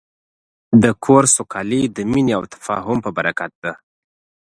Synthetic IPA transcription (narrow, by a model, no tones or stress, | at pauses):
d̪əkʰoɾsʊkʰɑlid̪əmineawt̪ʰḁfɑ̰ɦʊmpəbaɾakat̪̚d̪a